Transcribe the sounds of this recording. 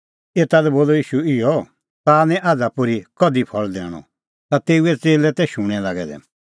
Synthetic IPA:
eːt̪alɛboːlɔjiːʃuɪjɔ | t̪aːnɛ̃ʔaːd͡zapʊɾikɔd̪ipʰɔɭd̪ɛ̰ːɽ̃ɔ̰ | t̪at̪eːuɛt͡seːlɛt̪ɛʃʊɽ̃ɛlaɡɛ̰d̪ɛ̰

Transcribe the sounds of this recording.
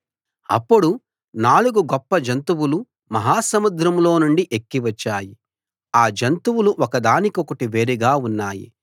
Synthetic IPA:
ɐ̰pːuɽu | naːluɡuɡɔpːɐd͡ʒɐnt̪uwulu | mɐɦaːsɐmud̪ɾɐmlo̞ːnuɳɖiʔekːiʋɐt͡ʃːaːji | aːd͡ʒɐnt̪uwuluʔɔkɐd̪aːnikɔkɐʈiʋe̞ːɾiɡaːunːaːjḭ

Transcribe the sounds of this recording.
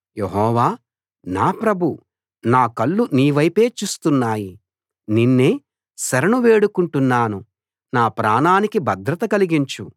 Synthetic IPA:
jeɦɔːʋaː | naːpɾɐbʱu | naːkɐɭːuniːʋɐjpe̞ːt͡ʃuːst̪unːaːji | ninːe̞ː | sɐɾɐnuʋeːɽukuɳʈunːaːnu | naːpɾaːnaːnikibɐd̪ɾɐt̪ɐkɐliɡiɲt͡ʃu

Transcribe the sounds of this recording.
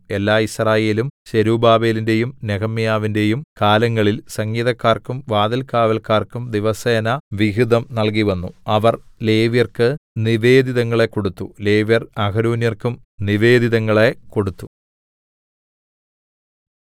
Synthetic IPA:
e̞lːaːisraːje̞ːlumɕeɾuːbaːbe̞ːlinde̞jumneɣɐmːijaːʋinde̞jumkaːlɐŋːɐɭilsɐŋɡiːðɐkːaːrkumʋaːðɐlkaːʋɐlkaːrkumd̪iʋɐseːnɐʋiɣiðɐmnɐɭk̬iʋɐnːuɐʋɐrle̞ːʋjɐrkɨniʋe̞ːd̪iðɐŋːɐɭe̞kːo̞ɽut̪ːule̞ːʋjɐrɐɡɐɾuːnjɐrkum | niʋe̞ːd̪iðɐŋːɐɭe̞ko̞ɽut̪ːu

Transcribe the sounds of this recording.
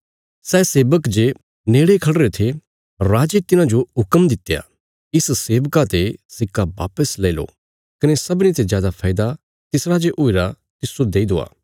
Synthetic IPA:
sɛːseːbəkd͡ʒe | neːɽekʰɐɽɾet̪ʰe | ɾaːd͡ʒet̪ɪnãd͡ʒoɦʊkəmd̪ɪt̪ːja̰ | ɪsseːʋkat̪esɪkːaba̰ːpəsleːɪlo̰ | kɐnesɐbnit̪ezjaːd̪apʰaːɪd̪a | t̪ɪsɾad͡ʒeʔoiɾa | t̪ɪsod̪eːid̪oa̰ː

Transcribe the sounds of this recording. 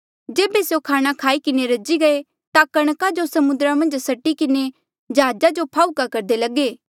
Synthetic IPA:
d͡ʒeːbesejokʰaːɽ̃akʰaːikɪneɾɐd͡ʒiɡɐe | t̪akɐɽ̃kad͡ʒosɐmʊ̃nd̪ɾamɐ̃nd͡ʒsɐʈːikɪne | d͡ʒɦaːd͡ʒad͡ʒopʰaːukakɐɾd̪elɐɡeː

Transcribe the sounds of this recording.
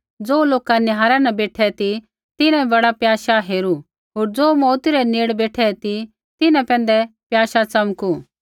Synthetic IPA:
d͡zoːloːkanɪɦaːɾãnɛ̃beːʈʰɛt̪i | t̪ɪnɛ̃bɐɽapjaːʃaɦeːɾu | ɦoːɾd͡zoːmɔːt̪iɾɛneːɽbeːʈʰɛt̪i | t̪ɪnɛ̃pɛ̃ːn̆d̪ɛpjaːʃat͡sɐmku

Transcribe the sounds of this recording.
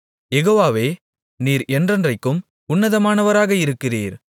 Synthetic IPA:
jɛɣoːʋaːʋeː | niːɾɛndrɐndrɐɪkːɯm | ʊnːɐðɐmaːnɐʋɐɾaːɣɐɪɾɯkːɪriːɾ

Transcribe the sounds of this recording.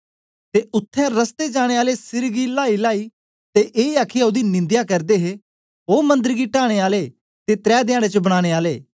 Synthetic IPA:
t̪eʊt̪ʰːɛ̃ɾəst̪ed͡ʒaːɽ̃eːaːlesɪɾɡilaːilaːiː | t̪eʔeːaːkʰiaʊd̪inɪ̃nd̪jakɐɾd̪eːɦe | ɦoːmɐ̃nd̪əɾɡiʈaːɽ̃eːaːle | t̪et̪ɾɛːd̪ɪjaːɽ̃et͡ʃəbəɽ̃aːɽ̃eːaːleː

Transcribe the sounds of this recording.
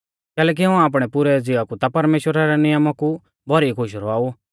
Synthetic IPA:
kɛːlɛːk̬iɦãaːp̬ɽ̃ɛpʊɾɛd͡zɪakut̪apɐɾmeːʃwəɾaɾɛnɪjəmaku | bʱɔɾikʰʊʃɾɔaːu

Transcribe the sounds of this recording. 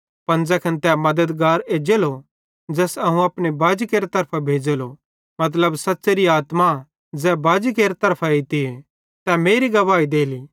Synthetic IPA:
pɐ̃nd͡zɛkʰɐnt̪ɛmɐd̪əd̪ɡaːɾeːd͡ʒeːlo | d͡ʒɛːsɐɦũɐːpnebaːd͡ʒikeːɾet̪ɐɾpʰabʱeːd͡ʒeːlo | mɐt̪̬ləbsɐtːseɾiaːt̪ma | d͡zɛbaːd͡ʒik̬eːɾet̪ɐɾpʰait̪ie | t̪ɛmeːɾiɡɐʋaːid̪eːli

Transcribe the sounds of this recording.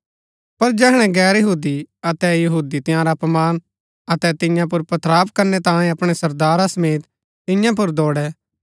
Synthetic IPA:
pɐɾd͡ʒɛːɦɽ̃ɛ̃ɡɛːɾjɐɦuːd̪iɐt̪ɛjɐɦuːd̪it̪ɪjãɾapɐmaːn | ɐt̪ɛt̪ɪ̃jãp̬ʊɾpɐt̪ʰɾaːpkɐɾnɛt̪ãːẽɐpɽ̃ɛsɐɾd̪aːɾasɐmeːt̪ | t̪ɪ̃jãp̬ʊɾd̪ɔːɽɛ

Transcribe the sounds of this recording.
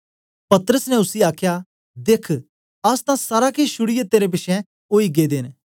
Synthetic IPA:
pɐt̪əɾəsnɛʊsiaːkʰja | d̪eːkʰ | ɐst̪ãsaːɾakeʃʊɽijət̪ːeːɾep̬ɪʃʰɛ̃ | oːiɡed̪eːn

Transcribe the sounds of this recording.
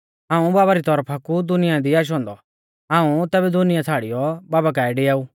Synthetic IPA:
ãːũbaːβaɾit̪ɔɾpʰakud̪ʊnɪjãd̪iaːʃ̬ɦɔ̃ːnd̪ɔ | ãːũt̪ɛːbɛd̪ʊnɪjat͡sʰaːɽijɔbaːbak̬aːɛɖeːaːu

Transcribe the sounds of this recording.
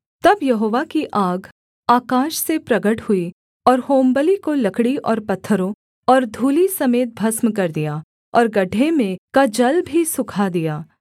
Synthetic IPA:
t̪ɐbjɐɦoːʋakiʔaːɡ | aːkaːʃsepɾɐɡəʈhʊi | ɔːɾhoːmbəlikolɐkɽiʔɔːɾpɐt̪ʰːəɾõ | ɔːɾd̪ʱuːlisɐmeːt̪̚bʱɐsmk̬ɐɾd̪ijaː | ɔːɾɡɐɖʱemẽkad͡ʒɐlbʱisʊkʰad̪ijaː

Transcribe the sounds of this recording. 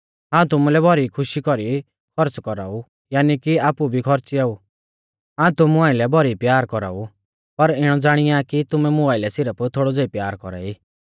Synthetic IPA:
ɦãːũt̪ʊmũlɛbʱɔɾikʰʊʃikɔɾi | kʰɔɾt͡skɔɾa̰ːu | jaːnikiaːpubʱikʰɔɾt͡siaːu | ɦãːũt̪ʊmuãːɪ̃lɛbʱɔɾipjaːɾkɔɾa̰ːu | pɐɾɪɽ̃ɔd͡zaːɽ̃ɪjakit̪ʊmɛmʊaːɪlɛsɪɾəpʰt̪ʰoːɽɔd͡zeipjaːɾkɔ̰ɾa̰ːiː

